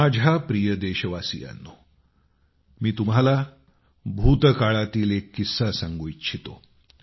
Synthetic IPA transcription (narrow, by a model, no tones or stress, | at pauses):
ad͡ʑʱapɾijəd̪eɕəʋasḭja̰nːo | miːt̪um̤ala | bʱut̪kaɭat̪iːlekːisasãŋɡoitːt͡ɕʰit̪o̰